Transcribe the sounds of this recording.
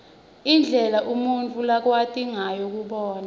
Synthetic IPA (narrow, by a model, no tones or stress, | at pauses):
ind͡ɮʱɛlaʔumunt͡fʰʼulak̬watʼiŋajɔk̬uɓɔːna